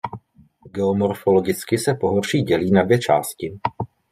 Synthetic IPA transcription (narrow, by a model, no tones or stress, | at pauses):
ɡɛomo̞ɾfo̞lo̞ɡɪt͡skɪsɛpo̞ɦorr̥iːɟɛliːnadvjɛt͡ʃa̰ːscɪ